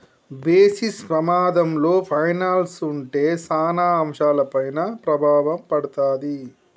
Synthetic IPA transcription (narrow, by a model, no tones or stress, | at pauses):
beːsispɾɐmaːd̪ɐmlo̞ːpʰɐjnaːlsuɳʈe̞ːsaːnaːmʂaːlɐpɐjnɐpɾɐbʱaːʋɐmpɐɽut̪aːd̪i